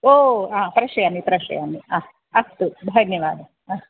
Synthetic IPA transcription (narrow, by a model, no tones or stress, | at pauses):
oːãːpɾɐʃɐjanːipɾɐʃɐ̰janːia | ɐst̪ub̪ʱɐnjɐʋaːd̪ʱɐ | aː